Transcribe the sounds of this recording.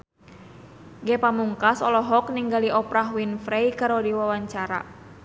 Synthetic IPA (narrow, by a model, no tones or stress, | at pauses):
ɡɛpamuŋkasɔlɔɦɔk̚niŋɡaliʔɔpɾaɦwinfɾejkaɾodiwawaɲt͡ʃaɾa̰